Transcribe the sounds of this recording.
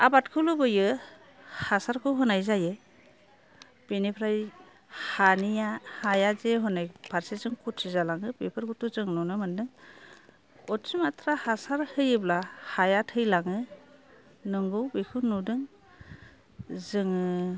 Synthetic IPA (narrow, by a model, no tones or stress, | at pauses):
abatkʰɯwlubɯjɯ | hasaɾkʰɯɦɯnajzajɯ | b̥enipʰɾaj | hanijahajazeɦɯnajpʰaɾsezɯŋkʰutsizalaŋɯpepʰɯɾkʰutuzɯŋnɔnɯmɯndɯŋ | ɔtsimatʰɾahasaɾhɯjɯblahajatʰɯjlaŋɯ | nɯŋɡɯwbekʰunudɯŋ | zɯŋɯ